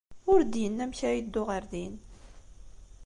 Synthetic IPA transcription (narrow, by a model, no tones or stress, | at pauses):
ʊɾd̪jənːæmçajid̪ːʊʁəɾðin